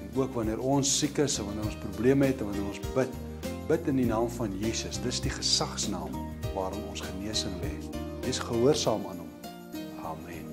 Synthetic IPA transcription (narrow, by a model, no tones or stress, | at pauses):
uəkvɐniəɾɔnsːikəsɛnvɐnəɾɔ̃nsprubliəməɦɛtɛ̃nvɐnəɾɔnsbət̚ | bətəndinɑːmfɐnjiːsəsdəsdiχə̥sɐχsnɑːm | vɑːɾɔmɔnsχəniəsəmvɛ̰əsχəɦuərsɑːmɑːnɦɔm | ʔɑːmɛn